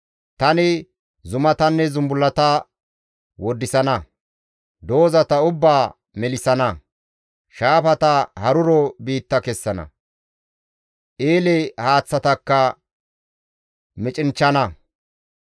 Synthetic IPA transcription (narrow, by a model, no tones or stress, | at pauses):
t̪ɐnɪ | zʊmɐt̪ɐnːɛzʊmbʊlːɐt̪ɐ | wɔd̪ːɪsɐnɐ | d̪o̞ːzɐt̪ɐʊbːaː | mɛlɪsɐnɐ | ʃaːfɐt̪ɐhɐɾʊɾɔbiːt̪ːɐkɛsːɐnɐ̰ | ʔeːlɛhaːt͡sːɐt̪ɐkːɐ | mɪt͡ʃʼɪnt͡ʃːɐnɐ